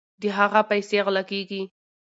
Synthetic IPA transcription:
d̪əɦaɣapajseɣlakeɡi

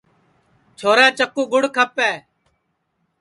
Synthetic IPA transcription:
t͡ʃʰoːɾɛ̃ːt͡ʃəkːuːɡʊɽkʰəpːɛː

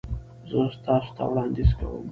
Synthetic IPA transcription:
zəst̪ɑsʊ̥t̪ʰa̰wɽɑnd̪izka̰wə̰m

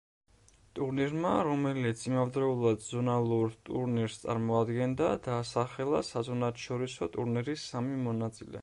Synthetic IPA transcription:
t̪ʼuɾniɾmaɾɔmɛlit̪sʰimavd̪ɾɛulˠad̪zɔnalˠuɾt̪ʼuɾniɾst̪sʼa̰ɾmɔad̪ɡɛnd̪ad̪aːsaχɛlˠa̰sazɔnat̪ʰʃɔɾisɔ̰t̪ʼuɾnɛɾisamimɔnat̪sʼilɛ̰

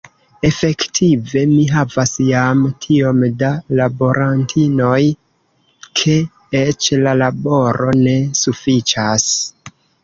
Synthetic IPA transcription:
e̞fe̞ktʰive̞miɦavasjamtʰio̞mdalabo̞ɾʔantʰino̞j | kʰe̞ | et͡ʃlalabo̞ɾʔo̞ne̞sufit͡ʃas

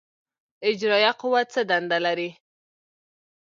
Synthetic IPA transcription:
ɪd͡ʒɾɑjaqʊwat͡səd̪and̪alaɾi

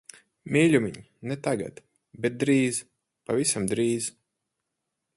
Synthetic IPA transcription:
mʲiːlʲumʲiɲ | nɛt̪aɡa̰t̪ | bɛt̪̚d̪ɾiːz | pavisamd̪ɾiːz

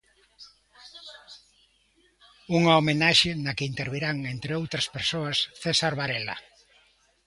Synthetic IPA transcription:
uŋaomenaʃenɐkeint̪eɾβiɾaŋent̪ɾeowt̪ɾɐspeɾsoɐsθesaɾβaɾela̰

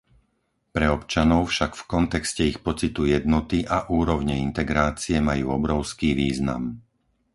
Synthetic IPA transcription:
pɾɛɔpt͡ʃanɔʊfʃaɡfkɔnt̪ɛkscɛixpɔt͡sit̪ujɛd̪nɔt̪iʔaʔuːɾɔʊɲɛint̪ɛɡɾaːt͡siɛmajuːɔbɾɔʊskiːʋiːzna̰m

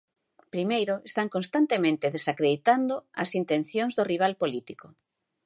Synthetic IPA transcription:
pɾimejɾʊest̪aŋkõnst̪ant̪emẽnt̪eðesakɾeðit̪and̪oɐ̰sint̪ẽn̟θjoŋzðoriβ̞alpolit̪iko

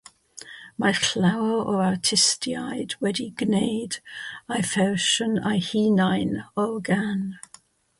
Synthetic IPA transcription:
makʰlawɔartʰɪstʰjajdwɛdiɡnejdajfɛrʃəna̰jhiːnajnɔlɡan

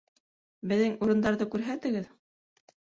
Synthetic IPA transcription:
bɘ̆ðːɘŋuɾɤ̆nd̪ɑɾðɤkʉɾɦæt̪ɘ̆ɡɘð

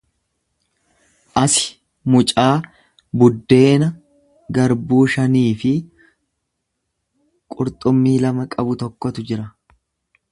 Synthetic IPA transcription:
ʔɐsɪ̥ | mʊt͡ʃʼaː | bʊd̪ːe̞ːnɐ | ɡɐɾbuːʃɐniːfɪ | kʼʊɾt̪ʼʊmːiːlɐmɐkʼɐbʊt̪ɔkːɔt̪ʊd͡ʒɪɾɐ

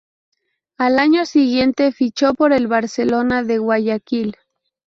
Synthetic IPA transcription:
alaɲo̞siɣje̞nt̪e̞fit͡ʃo̞po̞ɾe̞lβaɾse̞lo̞naðe̞ɣwaʝakil

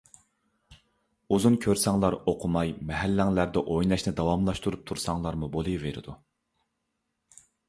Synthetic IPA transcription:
uzunkʲʰøɾsɑŋlˠɑɾoqʰʊmɑjmɛɦælːæŋlæɾd̪ɛʔojnɑʃnɪd̪ɑwɑmlˠɑʃt̪uɾup̚t̪ʰuɾsɑŋlˠɑɾmubolˠɨveɾɪ̰d̪u

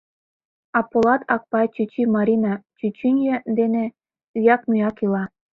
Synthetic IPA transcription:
ɑpolɑt̪ʰɑk̚pɑt͡ɕyt͡ɕimɑɾʲinɑt͡ɕyt͡ɕinʲjĕd̪ene | jɑknujɑkilɑ

